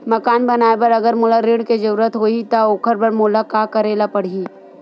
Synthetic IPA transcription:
mɐkaːnbɐnaːepɐɾɐɡəɾmʊlaɾɪɽked͡ʒɐɾuɾət̪ɦoːit̪aoːkʰəɾbɐɾmolakakɐɾeːlapɐɽ̤iː

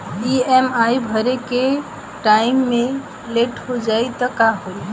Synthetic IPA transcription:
iemaibʱəɾeke | ʈaɪmːẽ | leʈhod͡ʒajt̪ɔkaɦoj

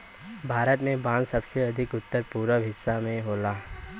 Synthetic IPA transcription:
bʱaːɾət̪mẽbãːnsɐbseɐd̪ʱɪkʊt̪ːəɾpuːɾəbʱɪsːamẽɦoːlaː

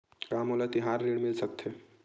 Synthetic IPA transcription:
kaːmolat̪iɦaɾːiɽmɪlsək̚t̪ʰe

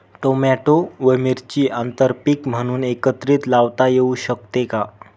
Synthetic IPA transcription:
ʈomɛʈoʋəmiɾt͡ɕiːʔant̪əɾpikm̤əɽ̃uːnekət̪ɾiːt̪laʋt̪ajeuɕək̚t̪eka

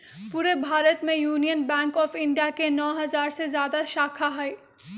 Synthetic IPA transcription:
puːɾebʱaːɾət̪mẽjuːnijənbɛ̃ːŋkɔːfɪ̃ɳɖijakenɔːɦɐzaːɾsezjaːd̪aʃaːkʰaɦɛe

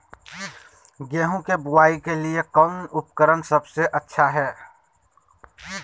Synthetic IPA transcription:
ɡɛːɦõkebʊwaːikeliekəːnʊpkəɾənsɐbseʔɐtːʃʰaɦɛː

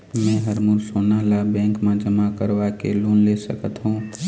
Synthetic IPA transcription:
mɛ̃ːɦəɾmʊɾsoːnalabɛ̃ːŋkmãd͡ʒəmakəɾʋakḛluːnleːsəkət̪ɦũː

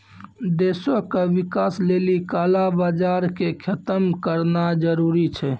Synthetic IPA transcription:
d̪esokewikaslelikalabad͡ʒaɾkekʰət̪əmkəɾnad͡ʒəɾuɾit͡ʃʰɛ

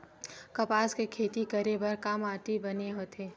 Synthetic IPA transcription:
kɐpaːskekʰeːt̪ikɐɾebɐɾkaːmaːʈibɐneɦoːt̪ʰeː

